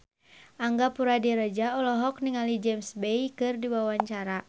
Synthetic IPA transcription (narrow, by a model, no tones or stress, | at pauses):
ʔaŋɡapuɾadiɾəd͡ʒaɔlɔɦɔk̚niŋalid͡ʒɛmsbejkɨrdiwawaɲt͡ʃaɾa